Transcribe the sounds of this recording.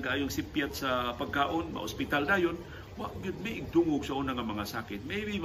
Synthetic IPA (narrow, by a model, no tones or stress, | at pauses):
ɡaʔaːjoŋsɪpjat̪̚sapaɡ̚kaːʔonma̰ʔʊ̰spɪt̪alnaːjon | waʔɡɪd̪̚majʔɪɡ̚d̪uːŋʊɡsaʔuːnaŋamɐŋasaːkɪt̪̚mejbim